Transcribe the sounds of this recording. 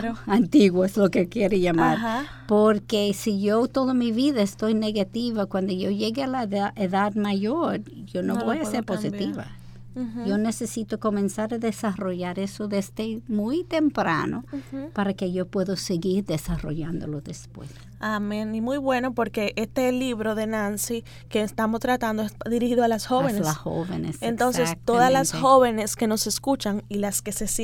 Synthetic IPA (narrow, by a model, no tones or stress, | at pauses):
ant̪iɣwoeslo̞kekjeɾeʝamaɾ | poɾkesiʝot̪o̞ðamiβiðaest̪o̞jne̞ɣat̪iβakwand̪oʝo̞ʝe̞ɣealaðaʔeðaðmaʝo̞ɾʝonoβojaseɾposit̪iβa̰ | jo̞ne̞se̞sit̪oko̞mẽ̞nsaɾaðesaro̞ʝaɾe̞soðezd̪emujt̪e̞mpɾa̰nopaɾake̞ʝo̞pwe̞ðoseɣiɾðe̞saro̰ʝand̪oloðespwḛs | amẽnimujβwe̞no̞po̞ɾke̞ʔest̪e̞liβɾo̞ðe̞nansi | kest̪amost̪ɾat̪and̪oesðiɾihiðoalasxoβenelaho̰βḛnesent̪onssest̪oðalasxo̞βe̞ne̞ske̞no̞se̞skut͡ʃaŋilaske̞ses